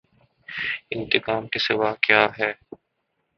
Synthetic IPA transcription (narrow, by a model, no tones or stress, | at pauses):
ɪ̃nt̪ɪkaːmkesɪʋaːkjaːɦɛː